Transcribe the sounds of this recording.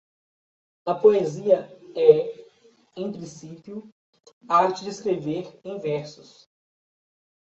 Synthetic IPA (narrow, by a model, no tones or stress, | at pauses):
ɐpoeziɐɛ | ẽj̃pɾĩsipjʊ | aɾt͡ʃɪd͡ʒɪeskɾeveɾẽj̃vɛɾsʊs